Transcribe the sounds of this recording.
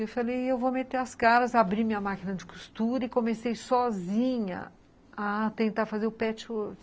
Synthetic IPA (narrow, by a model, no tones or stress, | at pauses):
ewfalejewvomet̪eɾɐskaɾɐzabɾimĩɐmakinɐd͡ʒɪku̥st̪uɾɐɪkõmesejsɔzĩɲɐ̰ | ɐt̪ẽnt̪aɾfazeɾʊpɛt͡ʃɪo